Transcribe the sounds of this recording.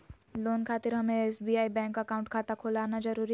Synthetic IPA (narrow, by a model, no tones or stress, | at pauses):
loːnkʰaːt̪ɪɾɦɐmẽeːsbiːaːibɛ̃ːŋkakaːʊ̃ɳʈ̚kʰaːt̪akʰoːlaːnad͡ʒɐɾuːɾi